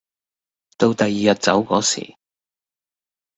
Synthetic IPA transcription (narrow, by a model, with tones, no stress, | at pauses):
t̪o˧wt̪ɐ˨jiː˨jɐ˨t̚t͡sɐ˨˥wkɔː˨˥sḭː˨˩